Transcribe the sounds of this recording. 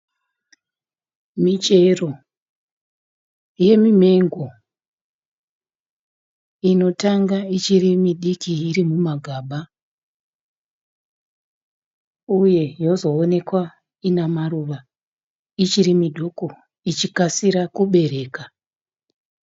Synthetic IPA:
mit͡ʃe̞ro̞ | je̞mime̞ŋɡo̞ | ino̞taŋɡait͡ʃirimiɗikiiɾimumaɡʱaːɓa | uje̞jo̞zo̞ːne̞kwa | inamaruʋa | it͡ʃiɾimidʱoko̞ | it͡ʃikasiɾakuɓe̞ɾe̞ːka

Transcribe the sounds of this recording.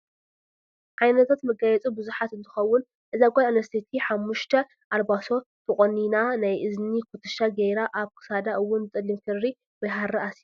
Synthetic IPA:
ʕajnɐt̪ʰat̪mɐɡajɛt͡sʼubɨzuħat̪ɨnt̪ʰɨ̥xɐwːʊn | ʔɨzaɡʼalnɐst̪ʰit̪ʰiħamːuʃt̪ʰɐ | ʔalbaso̞ | t̪ʰɨχʼoninanajʔɨznikʰut̪ʰɨʃaɡejɾaʔaβkʰɨ̥sad̪aʔɨwːʊnɨt̪ʼɨlːimkʰɨɾːi | wɐjɦaɾɐasi

